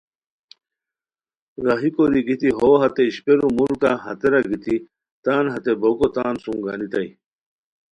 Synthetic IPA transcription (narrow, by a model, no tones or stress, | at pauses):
ɾaɦikoɾiɡit̪iɦoːɦɐt̪eiɕpeɾumulkaɦɐ̰t̪eɾaɡit̪i | t̪aːnɦɐt̪ebokot̪aːnsuŋɡa̰ːnit̪aj